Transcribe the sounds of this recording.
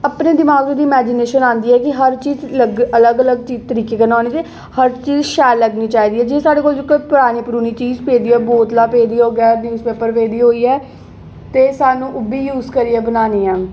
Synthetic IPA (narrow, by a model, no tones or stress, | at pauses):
əpneːd̪ɪmaːɡoːd̪iːɪmɛːd͡ʒɪneːʃənãːnd̪iːɛːkɪɦəɾt͡ʃiːzləɡələɡələɡt͡ʃiːzt̪əɾiːkeːkənaːñeːt̪eː | həɾt͡ʃiːzʃɛːɾləɡniːt͡ʃaːɦiːd̪iːɛːd͡ʒeːsaːɽeːkoːld͡ʒɪkːopʊɾaːniːpəɾuːniːt͡ʃiːzpeːd̪iːɛːboːt̪laːpeːd̪iːɦoːɡɛːnjuːzpeːpəɾpeːd̪iːɦoːiːɛː | t̪eːsaːnũːʔʊbiːjuːzkəɾiːɛːbənaːniːɛː